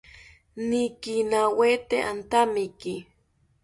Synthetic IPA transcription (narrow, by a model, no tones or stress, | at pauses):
nikinawet̪eʔant̪amiki